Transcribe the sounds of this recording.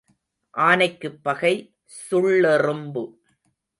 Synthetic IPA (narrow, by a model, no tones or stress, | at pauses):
ʔaːnɐɪkːɯpːɐɣɐɪ | sʊɭːɛrɯmbɯ